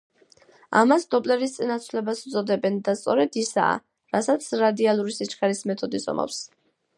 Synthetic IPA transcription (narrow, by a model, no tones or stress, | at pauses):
a̰masd̪ɔpʼlɛɾist̪sʼinat̪sʰlɛbasu̥t̪sʼɔd̪ɛbɛnd̪ast̪sʼɔɾɛd̪isa̰ː | ɾasat̪sʰɾad̪ialˠuɾisit͡ʃʰkʰʼaɾismɛt̪ʰɔd̪isɔ̰ma̰fs